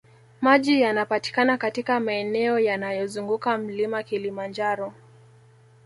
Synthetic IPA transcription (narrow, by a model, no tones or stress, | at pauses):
maʄijanapati̥kanakatikamaɛnɛɔjanajɔzuŋɡukam̩limakilimand͡ʒaɾɔ